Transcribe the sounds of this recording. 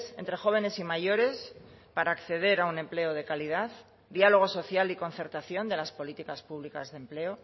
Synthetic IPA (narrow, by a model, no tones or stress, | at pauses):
se̞nt̪ɾe̞xo̞β̞e̞ne̞simaʝo̞ɾe̞spaɾaːkθe̞ðe̞ɾaunẽ̞mple̞oð̞e̞kalið̞að | d̪ialo̞ɣ̞o̞so̞θjaliko̞nθe̞ɾt̪aθjo̞nd̪e̞laspo̞lit̪ikaspuβlika̰zðemple̞o